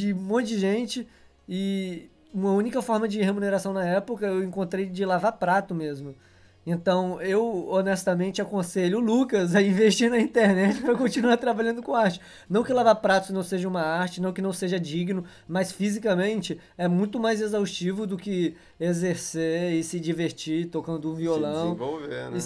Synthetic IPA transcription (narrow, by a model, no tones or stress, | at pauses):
d͡ʒɪumõjd͡ʒɪʒẽnt͡ʃɪ | ɪ | ũmɐũnikɐfɔɾmɐd͡ʒɪhemuneɾasɐ̃w̃nɐɛpʊkɐewẽŋkõnt̪ɾejd͡ʒɪlavaɾpɾat̪ʊmezmʊ | ẽnt̪ɐ̃w̃ewonɛst̪ɐmẽnt͡ʃɪakõseʎʊːlukɐzɐĩveʃt͡ʃiɾnɐĩt̪eɾnɛt͡ʃɪpɾɐkõt͡ʃinuaɾt̪ɾabaʎɐ̃nd̪ʊkõaɾt͡ʃɪ̥ | nɐ̃w̃kɪlavaɾpɾat̪ʊsɪnɐ̃w̃seʒɐũmɐaɾt͡ʃɪnɐ̃w̃kɪnɐ̃w̃seʒɐd͡ʒiɡnʊ | mɐsfizikɐmẽnt͡ʃɪ | ɛmũj̃t̪ʊmajzezawst͡ʃivʊd̪ʊkɪ | ezeɾseɪsɪd͡ʒiveɾt͡ʃit̪okɐ̃nd̪ʊũviolɐ̃w̃vovḛ